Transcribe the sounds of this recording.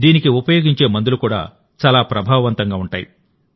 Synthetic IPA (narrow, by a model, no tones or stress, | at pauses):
d̪iːnikiupɐjo̞ːɡiɲt͡ʃe̞ːmɐnd̪ulukuːɽa̰ː | t͡ʃaːlaːpɾɐbʱaːʋɐʋɐnt̪ɐŋɡaːuɳʈaːji